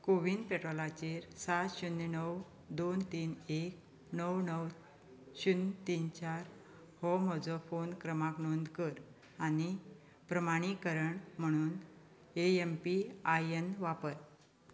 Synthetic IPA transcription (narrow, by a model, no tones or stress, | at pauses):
koʋind̪peʈɾɔlat͡ɕeɾsat̪ɕunːenəw | d̪ont̪iːnek̚ | nəwnəw | ɕunt̪iːnt͡ɕaɾ | hɔmɔd͡zɔfonkɾəmãknond̪kəɾ | aɽ̃i | pɾəmaɽ̃ikəɾəɳm̤əɽ̃uːn | eempiajenʋapəɾ